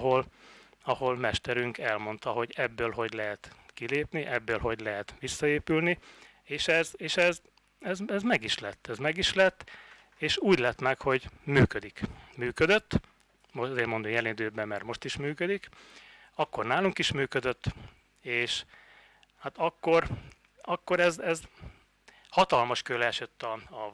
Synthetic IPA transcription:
ɦo̞l | ɒho̞lmɛʃt̪ɛɾyŋkɛlmo̞nt̪ɒɦo̞ɟɛbːøːlɦo̞ɟlɛɦɛt̪kileːpniʔɛbːøːlɦo̞ɟlɛɦɛt̪ʋisːɒeːpylni | eːʃɛzeːʃɛz | ɛzɛzmɛɡiʃlɛt̪ːɛzmɛɡiʃlɛt̪ː | eːʃuːɟlɛt̪mɛkho̞ɟmyːkød̪ikmyːkød̪øt̪ː | mozeːrmo̞nd̪omjɛlind̪øːbɛmːɛrt̪mo̞ʃt̪iʃmyːkød̪ik | ɒkːo̞rnaːluŋkiʃmyːkød̪øt̪ː | eːʃ | hat̪ɒkːo̞r | ɒkːo̞ɾɛzɛz | hɒt̪ɒlmɒʃkølɛɛʃøt̪ːɒɒ

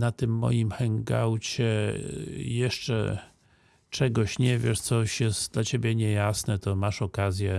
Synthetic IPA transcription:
nat̪ɘmːɔ̰jimxɛŋɡa̰wt͡ɕɛ | jɛʂt͡ʂɛ̰ | t͡ʂɛɡɔɕɲɛvʲjɛʂt̪sɔɕjɛst̪d̪lat͡ɕebʲɛɲɛjasnɛt̪ɔmaʂɔkazʲjɛ

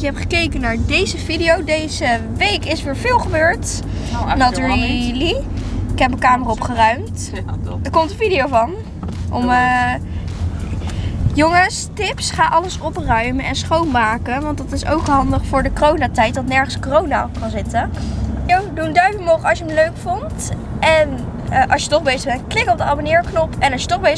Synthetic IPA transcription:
jəɦɛpχəkejkənːaːɹdejzəvidijowdejzə | ʋejkɪsʋɪːɹv̥ɪːlˠχəbøːɹt | nɔtəɹiliɪkɦɛpməkaːməraɔpχərœɥmt | əɹkɔmtə̃vidijowvɑn | ʔɔ̰mə | jɔŋəstɪpsχaːʔɑləsɔprœɥməʔɛnsχownmaːkənʋɑntdɑtɪso̰wkɦɑndəχfʊːɹdəkorownaːtɛjt̚dɑtnɛɹχənskorownakɑnzɪtəjowdundœɥdləkmowχəɑsjəəmløɥkfʊnt | ɛn | əʔɑsjətɔχbejzəχbɛnklɪkɔb̚dəabonɪːɹknɔpɛnɑʃjətɔχbe

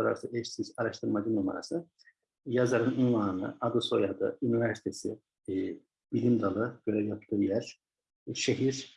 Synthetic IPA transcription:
aɾa̰ɾsaet͡ʃsizaɾaʃt̪ʰɯɾmad̪ɯnuma̰ɾa̰sɯ | jazaɾɯnunvˠaːnɯ̰ad̪ɯso̞jad̪ɯ̰ynivæɾsi̥t̪ʰesḭ | b̥ilʲimd̪alˠɯɟ̥ø̞ɾɛvjapʰt̪ʰɯːjæɾ̥ | ʃeɦiɾ

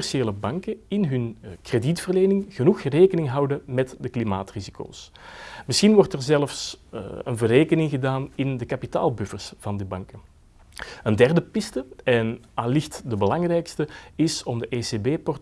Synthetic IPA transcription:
ɛrseːləbɑŋkəɪnɦɵnkreditfərleːnɪŋɣənuxreːkənɪŋɦɑwdəmɛtdəklimaːtriziko̰ːs | mɪsxinʋɔrtɛrzɛləfsə̰nvəreːkənɪŋɣədaːnɪndəkɑpita̰ːlˠbʏfərsv̥ɑndibɑŋkə | əndɛrdəpɪstəɛn | aːlɪxtdəbəlɑŋrɛjkstəɪsɔmdəʔeːsebeːpɔrt

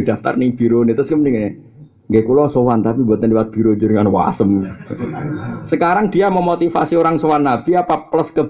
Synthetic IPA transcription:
d̪̥a̤ft̪a̰rniŋb̥i̤ɾonit̪ʊskəməniŋe | ŋɡɛkulɔsowant̪apibuat̪ənliwat̪̚b̥i̤ɾod͡ʒuɾiŋanwa̰səm | səkaɾaŋd̥̪iaməmot̪ifa̰sioɾaŋsowanːabiapapləskə

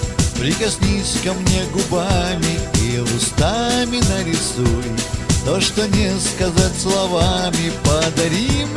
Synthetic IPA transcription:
pɾʲɪkɐsʲnʲisʲkɐmnʲeɡʊbamʲɪivʊst̪amʲɪnəɾʲɪsujʊt̪oʂt̪onʲɛskɐzatʲslˠɐvamʲɪpəd̪ɐɾʲim

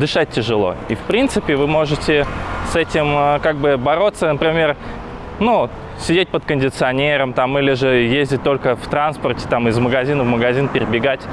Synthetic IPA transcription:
d̪ɨʂat̚ʲtʲːɪʐɨlˠo̞̰ifpɾʲint̪sɨpʲɪvɨmo̞ʐɨtʲɪsɛtʲɪməkaɡ̚bɨbɐɾo̞t̪sənəpɾʲɪmʲe̞r | nu | sʲɪdʲet̚ʲpət̪kənʲdʲɪt̪sɨɐnʲe̞ɾəmt̪amilʲɪʐɨjezʲdʲɪt̚ʲt̪o̞lʲkəft̪ɾanspərtʲɪ̥t̪amɪzməɡɐzʲinəvməɡɐzʲinpʲɪɾʲɪbʲɪɡatʲ

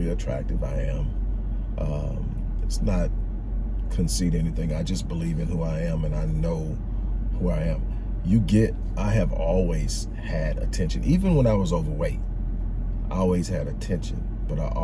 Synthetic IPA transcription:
iɨtʰɹ̥æ̰k̚tɨvaɪɨ̃m | ʔʌ̃m | ɪtsnət̚ | kʰɨ̃nsiɾɛniθɪ̃ŋaɪd͡ʒʌsb̥əlivɨ̃nhuaɪɨ̃mɨ̃naɪnoʊ | huaɪɨ̃m | jɨɡɛɾ̚ | ʔaɪɨvɔlˠwiz̥ | ɨɾɨ̰tʰɛ̃nʃɨ̰̃nʔivɨ̃nwə̃naɪwʌzoʊvə˞weɪt̚ | ʔɔlˠwiz̥ɨɾɨtʰɛ̃nʃɨ̰̃n | b̥ʌɾaɪʔ

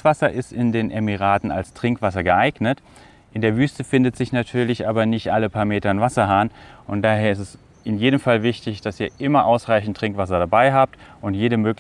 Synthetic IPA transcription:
v̥asɐʔɪstɪndeːnʔɛmiʁ̞aːtn̩a̰lstʁ̥ɪŋkv̥asɐɡəʔaɪɡnət | ʔɪndeːɐvyːstəfɪndətz̥ɪçnatʰyːɐlɪçʔaːbɐnɪçtʔaləpʰaːɐmeːtɐnvasɐɦaːnʔʊntd̥aːɦeːɐɪstɛs | ʔɪnjeːdəmfalvɪçtɪçd̥asiːɐʔɪmɐʔaʊsʁaɪçn̩tːʁ̥ɪŋkv̥as̬ɐdabaɪɦaːp̚tʔʊntjeːɾəmøːk

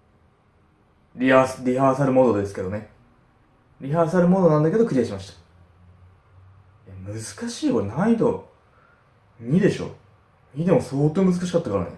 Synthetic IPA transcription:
ɾʲiasɾʲihaːsaɾɯ̟mo̞d̪o̞d̪e̞sɨ̥ke̞d̪one̞ | ɾʲiɦaːsaɾɯ̟mo̞d̪o̞nãnd̪ake̞d̪o̞kɯ̟ɾʲiaɕimaɕi̥t̪ḁ | jamɯ̟zɨ̥kaɕiːkoɾenaid̪o̞ | ɲ̟ʲid̪e̞ɕo̞̰ː | ɲʲid̪e̞mo̞so̞ːt̪oːmɯ̟zɨkaɕ̬ikat̪ːakaɾa̰nḛ

